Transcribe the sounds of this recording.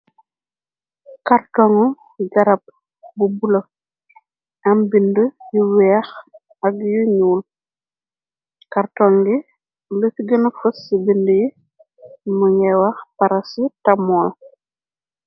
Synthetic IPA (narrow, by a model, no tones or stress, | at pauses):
kartɔŋɔ | ɡɐɾɐp̚ | bubulɐ | ɐmbindəjuwɛːx | ɐɡjuɲuːl | kɐrtɔŋɡi | lətɡənɐfɐsibindəji | muɲɛwɐxpɐɾɐsitɐmɔːl